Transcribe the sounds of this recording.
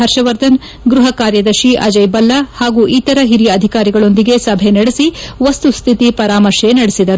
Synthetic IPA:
ɐɾʃɐʋɐɾd̪ʱɐn | ɡɾuɦɐkaːɾjɐd̪ɐʃiʔɐ̰d͡ʒɐjbɐlːɐhaːɡuʔiːt̪ɐɾɐɦiɾiɐd̪ʱikaːɾiɡɐɭo̞nd̪iɡe̞sɐbʱenɐɽesiʋɐst̪ust̪ʰit̪ipɐɾaːmɐɾʃenɐɽesid̪ɐɾu

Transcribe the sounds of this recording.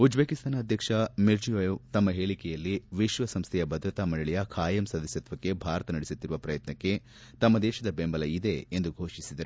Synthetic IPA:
ud͡ʒbeːkist̪ʰaːnɐːd̪ʱjɐkʂɐmiɾd͡ʒijaːjut̪ɐmːɐɦeːɭikɛjɐlːiʋiʃʋɐsɐmst̪ʰɛjɐbɐd̪ɾɐt̪aːmɐɭɐɭijɐkʰaːjɐmsɐd̪ɐsjɐt̪ʋɐkːe̞bʱaːɾɐt̪ɐnɐɽesut̪ːiɾuʋɐpɾɐjɐt̪nɐkːe̞ | t̪ɐmːɐd̪ɛːʃɐd̪ɐbembɐlɐid̪e̞ːnd̪uɡʱoːʃisid̪ɐɾe

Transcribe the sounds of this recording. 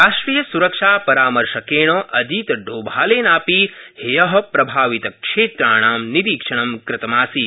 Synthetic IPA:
ɾaːʃʈɾiːjɐsuɾɐkʂaːpɐɾaːmɐɾʃɐkeːɳ̃oʔɐd̪iːt̪ɐɖoːbʱaːleːnaːpiːhejɐɦɐpɾɐbʱaːʋit̪ɐkʂeːt̪ɾaːɳ̃aːmniɾiːkʂɐɳ̃ɐmkɾɪt̪ɐmaːsiː

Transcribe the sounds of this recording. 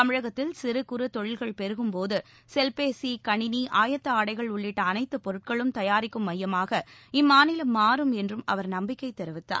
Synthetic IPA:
ɐmɪɻɐɣɐt̪ːɪlsɪɾɯkʊɾɯt̪ɔɻɪlɣɐɭpɛɾɯɣɯmpoːðɯ | sɛlpeːsikɐɳɪniʔaːjɐt̪ːɐaːɽɐɪɣɐɭʊɭːɪʈːɐːnɐɪt̪ːɯpɔɾɯʈ̚kɐɭɯmt̪ɐjaːɾɪkːɯmːɐjːɐmaːɣɐɪmːaːnɪlɐmːaːɾɯmɛndrɯmɐ̰ʋɐɾnɐmbɪkːɐɪt̪ːɛɾɯʋɪt̪ːa̰ː

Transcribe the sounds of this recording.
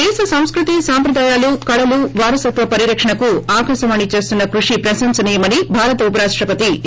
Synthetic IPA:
ɛːsɐsɐm̃skɾut̪isaːmpɾɐd̪aːjaːlukɐɽɐluʋaːɾɐsɐt̪ʋɐpɐɾiɾɐkʂɐɳɐkuaːkɐʃɐmɐnːit͡ʃe̞ːst̪unːɐkɾuʂipɾɐʃɐmsɐnijɐmɐnibʱaːɾɐt̪ɐupɐɾaːʂʈɾɐpɐt̪i

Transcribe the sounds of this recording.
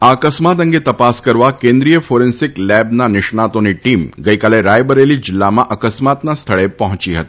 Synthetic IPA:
aəkəsmat̪̬ə̃ŋɡet̪ɐpaskəɾʋakẽːnd̪ɾijəfoːɾensɪklɛbnanɪʃɳat̪õniʈiːmɡəikaːleɾaːjbəɾelid͡ʒɪlːamãʔɐkəsmat̪nast̪ʰəɭepɐɦʊ̃t͡ʃiɦə̰t̪i̥

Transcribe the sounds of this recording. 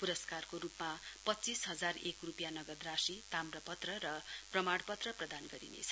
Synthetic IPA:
puɾʌskarkoɾupmapʌtt͡sisɦʌd͡zarekrupjanʌɡʌd̪rasit̪amrʌpʌt̪rʌɾʌprʌmaɽpʌt̪rʌprʌd̪anɡʌɾḭnḛt͡sʰʌ̥

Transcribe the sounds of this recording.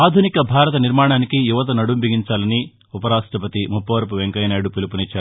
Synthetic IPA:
aːd̪ʱunikɐbʱaːɾɐt̪̬ɐniɾmaːɳaːnikijuʋɐt̪̬ɐnɐɽumbiɡiɲt͡ʃaːlɐni | upɐɾaːʂʈɾɐpɐt̪imupːɐʋɐɾpuʋeŋkɐjnaːɽupilupunit͡ʃːaːɾ

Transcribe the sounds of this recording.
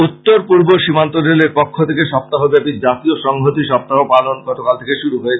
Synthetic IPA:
ut̪ːoɾpuɾboʃimant̪oɾeleɾpokʰːot̪ʰekeʃɔp̚t̪aɦobɛpiɾd͡ʑat̪ioʃɔŋɡʱot̪iʃɔp̚t̪aɦopalonɡɔt̪okalt̪ʰekeʃuɾuɦoet͡ɕʰ

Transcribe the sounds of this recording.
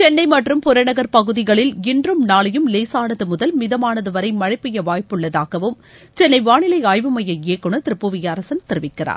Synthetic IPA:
t͡ʃɛnːɐɪmɐʈrɯmpʊɾɐnɐɣɐɾpɐɣɯðɪɣɐɭɪlɪndrɯmnaːɭɐjɯmleːsaːnɐðɯmʊðɐlmɪðɐmaːnɐðɯʋɐɾɐɪmɐɻɐɪpːɪjɐʋaːjpɯɭːɐðaːɣɐʋɯm | t͡ʃɛnːɐɪʋaːɳɪlɐɪaːjʋɯmɐjɐeːkːɯɳɐt̪ɪɾɯpːɯʋɪjaːɾɐsɐnt̪ɪɾɯʋɪkːɪra̰ːɾ

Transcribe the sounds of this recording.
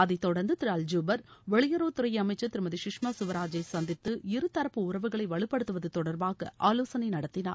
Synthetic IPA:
ɐðɐɪt̪ːɔɽɐɾnd̪ɯt̪ɪɾaːld͡ʒuːbɐɾʋɛɭɪjɐɾoːt̪ʊɾɐjɐɐmɐɪt͡ʃːɐt̪ːɪɾɯmɐðiʃɪkʂmaːsʊʋɐɾaːd͡ʒɐɪsɐnd̪ɪt̪ːɯɪɾɯt̪ːɐɾɐpːɯʊɾɐʋɯɣɐɭɐɪʋɐɭɯpːɐɽɯt̪ːɯʋɐðɯt̪ɔɽɐɾbaːɣɐ̰ʔaːloːsɐnɐɪnɐɽɐt̪ːɪna̰ːɾ

